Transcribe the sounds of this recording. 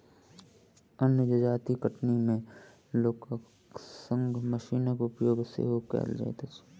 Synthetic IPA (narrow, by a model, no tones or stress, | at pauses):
ənjəd͡ʒəd͡ʒaːt̪ikəʈnimẽ | loːka | sə̃ŋɡʱməʃiːnəkʊpjoːɡsḛɦokɛ̰ːld͡ʒa̰ḛt̪as